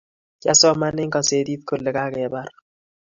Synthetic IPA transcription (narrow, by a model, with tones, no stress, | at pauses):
t͡ʃa̰˦sɔ˦ma˦nːɪ˦ŋka˨se˨t̪i˦t̪̚ko˨lːe˨ka˦kɛ˨ba˦r